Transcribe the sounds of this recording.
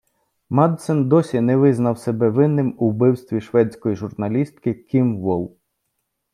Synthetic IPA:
mɑd̪sɛnd̪ɔsʲinɛʋɪznɐwsɛbɛʋɪnːɪmubɪwst̪ʋʲiʃʋɛt͡sʲkɔjiʒʊrnɐlʲist̪kɪkʲimʋɔlˠ

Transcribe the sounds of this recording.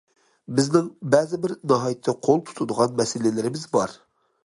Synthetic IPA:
bɪznɪŋbɛzɪbɪɾnɑɦɑjɪt̪ʰːɛqʰolˠt̪ʰu̥t̪ʰud̪əʁɑnmɛsɪlɪlɪɾɪmɪzbɑɾ

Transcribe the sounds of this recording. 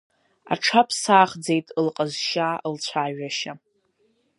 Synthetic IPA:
a̰ʈ͡ʂʰapʰsaːχd͡ze̞jtʼɨlqʼəzʃalt͡sʷʰaːɥᶣaʃa

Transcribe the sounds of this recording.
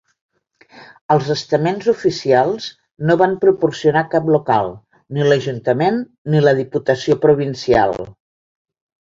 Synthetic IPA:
əlˠzəst̪əmenzufisialˠz | noβampɾupursiunakaplukalˠ | niləʒunt̪əmenː | iləð̞iput̪əsiopɾuβ̞insia̰lˠ

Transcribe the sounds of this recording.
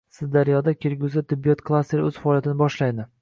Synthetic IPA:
sɪzd̪aɾijɒd̪akʲʰeɾɡʲʊzɪt̪ʰɪbːijɒt̪kʰlˠast̪eɾɵz̥faɒlijat̪ɪnɪbɒʃlajd̪ɪ

